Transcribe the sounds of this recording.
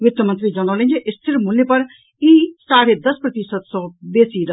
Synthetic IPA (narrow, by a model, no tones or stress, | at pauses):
ʋɪt̪əmɐ̃nt̪ɾid͡ʒɐnaːlẽnd͡ʒiʔɪst̪ʰɪɾmuljepɐɾ | iːsaːɾed̪ɐspɾɐt̪isət̪sɔːb̪eːsiːɾɐ